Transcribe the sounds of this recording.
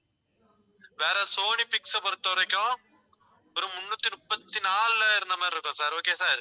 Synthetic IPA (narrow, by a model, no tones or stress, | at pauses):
ʋeːɾɐsoːnipɪksɐpɔɾɯt̪ːɐʋɐɾɐɪkːɾɐ̃ | ɔɾɯ̃mʊnːuːt̪ːimʊpːɐt̪ːinaːllaːɪɾɯnd̪ɐmaːɾɪɾɯkːʊ̃saːɾoːkeːsaːɾ